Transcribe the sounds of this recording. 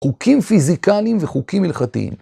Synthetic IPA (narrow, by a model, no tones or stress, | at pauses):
χukʰimfizikalimveχukimːilχat̪ḭḭm